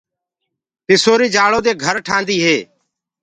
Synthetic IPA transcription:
pɪsoːɾiːd͡ʒaːɭõːd̪eːɡʱəɾʈʰãːnd̪iːɦeː

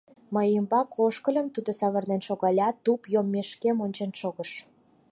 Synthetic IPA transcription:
məjəmbɑkoʃkə̆lʲə̆mt̪ud̪ŏsɑβərnenʃoɣɑlʲɑt̪upjomːeʃkemonʲt͡ɕenʃoɣəʃ

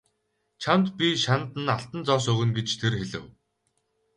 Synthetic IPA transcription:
t͡ɕʰamt̪pʲiʃant̪ɘ̆naɬt̪ə̆nt͡sɔːs̬ɵɣɘ̆nɡet͡ɕt̪ʰerxeɮɘ̆w

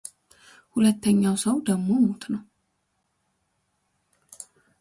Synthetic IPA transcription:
hulət̪ʰːəɲːawsəwd̪əɡmo̞mot̪nəw

